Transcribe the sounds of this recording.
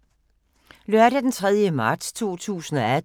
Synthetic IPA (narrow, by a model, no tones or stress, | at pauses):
lɶɐ̰ɾ̥æd̥ent͡sʰʁɛð̞ˠjəmɑ̈ːd̥st͡sʰo̝̰ːt͡sʰṵːsn̩ɒ̽æd